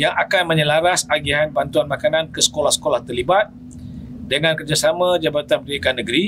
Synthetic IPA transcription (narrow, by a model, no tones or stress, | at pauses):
jaŋʔakanmə̃ɲəlaɾasaɡiɦanbant̪uanmãkanankəsə̥kolahsə̥kolaht̪ərlibat̪̚ | dəŋãnkərd͡ʒasamãd͡ʒabat̪anpəd̪ikanːə̃ɡɾi